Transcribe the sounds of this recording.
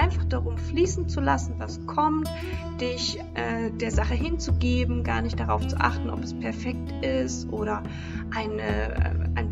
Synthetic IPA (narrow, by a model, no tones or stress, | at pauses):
aɪnfaχd̥aʁʊmfliːsn̩t͡sulasn̩vaskʰɔmt | d̥ɪç | ʔɛːd̥eːɐzaχəɦɪnt͡suɡeːbm̩ɡaːɐnɪçtd̥aʁaʊft͡suʔa̰χtn̩ʔɔ̰pɛspʰɛɐfɛk̚tɪstʔoːɾɐ | ʔaɪnəɛ̰aɪn